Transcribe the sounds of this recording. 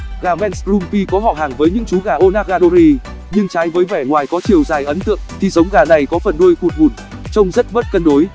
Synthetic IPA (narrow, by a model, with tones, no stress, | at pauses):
ɣaː˨˩vɛ˧nspɾu˧mfi˧kɔ˨˦ɦɔ˧˩ɦaː˨˩ŋvəː˨˦jɲɨ̰˧˥ŋt͡ɕu˨˦ɣaː˧˩ʔo˧naː˧ɣaː˧ɗo˧ɾi˧ | ɲɨ˧ŋt͡ɕaː˨˦jvəː˨˦jvɛ˧˩ŋwaː˨˩jkɔ˨˦t͡ɕi˨˩əwzaː˨˩jʔə˨˦nt̪ɨ̰˧˨əŋt̪ʰi˨˩sə˨˦wŋ͡mɣaː˨˩na˨˩jkɔ˨˦fə˨˩nɗu˧jxu˨˩t̚ŋu˨˩n | t͡ɕə˧wŋ͡mzə˦˥t̚ɓə˦˥t̚kə˧nɗo˨˦j